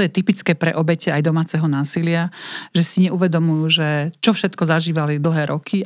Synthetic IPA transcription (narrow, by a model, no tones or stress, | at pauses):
ɔjɛt̪ipit͡skɛːpɾɛ̰ʔɔbɛcɛajd̪ɔmaːt͡sɛɦɔnaːsilɪaʒɛsiɲɛʔuʋɛd̪ɔmujuʒɛt͡ʃɔfʃɛt̪kɔzaʒiːʋalid̪l̩ɦɛːɾʔɔkʰi